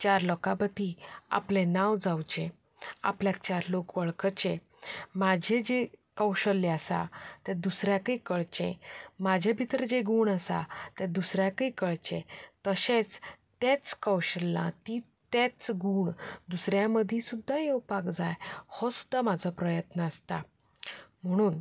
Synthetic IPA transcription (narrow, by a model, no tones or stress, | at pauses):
t͡ɕaɾlɔkapət̪ia̰plẽnawd͡zawt͡ɕẽ | a̰pljakt͡ɕaɾlokʋəɭkət͡ɕẽ | mad͡ʑʱẽd͡ʑekəwɕəlːeəsa̰t̪ɛ̃d̪usɾjakəikəɭt͡ɕḛ̃mad͡ʑʱebʱit̪ɾd͡ʑeɡuːɳəsa̰t̪ɛ̃d̪usɾjakəikəɭt͡ɕḛ̃t̪əsẽt͡st̪et͡skəwɕəlːã̰t̪i | t̪ɛt͡sɡuːɳd̪usɾjaməd̪ʱĩsud̪ʱːajewpakd͡zajhɔsu̥d̪ʱːamad͡zʱɔpɾəjət̪nəəst̪a | m̤əɽ̃uːn